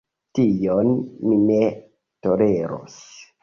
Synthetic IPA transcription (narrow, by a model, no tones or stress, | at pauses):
tijonmine | toleɾo̰s